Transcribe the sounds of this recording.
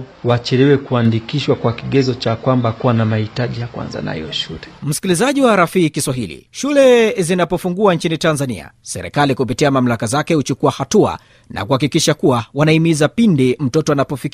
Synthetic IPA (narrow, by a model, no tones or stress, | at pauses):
wat͡ʃɛlɛwɛkuandikiʃwakwakiɠɛzɔt͡ʃakwambakuwanamahitaʄijakwa̰nza̰na̰hḭjɔʃulɛm̩si̥kilizaʄiwaɾafiːkiswaɦilḭʃulɛzinapɔfuŋɡuant͡ʃinitanzanḭa̰sɛ̰ɾɛ̰kalikupitiamam̩lakazakɛhut͡ʃukuahatua̰ | nʔa̰kuhakikiʃakuwawanaimizapindim̩tɔtɔanapɔfik